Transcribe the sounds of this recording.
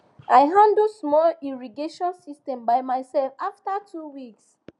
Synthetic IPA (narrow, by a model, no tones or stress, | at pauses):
ʔaɪɦãndosmɔliɹiɡeʃɔ̃nsistɛ̃mbaɪmaɪsɛlfaftatʰuwiks